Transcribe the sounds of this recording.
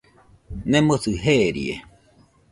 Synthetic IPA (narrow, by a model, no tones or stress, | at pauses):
nẽmosɨɦeɾḭḛ